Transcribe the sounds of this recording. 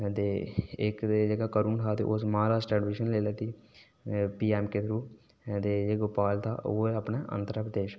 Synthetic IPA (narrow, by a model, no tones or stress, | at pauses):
t̪eːɪk̪ːd͡ʒəɡaːkəɾuːnt̪ʰaːt̪eːʔosmaːɾaːsʈɛːɖʋɪːʃənleːlaːt̪iː | piːɛːmket̪ʰɾuː | t̪eːd͡ʒeɡʊpaːlt̪a̰ːʔoːeəpɳeːʔə̰̃nt̪ɾəpɾəd̪eːʃ